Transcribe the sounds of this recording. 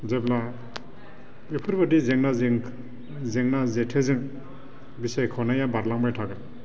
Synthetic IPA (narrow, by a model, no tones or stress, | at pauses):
zebla | epʰɯɾbadizeŋnaŋ | zeŋnazetʰezɯŋ | bisajkʰɔnajabaɾlaŋbajtʰaɡɯ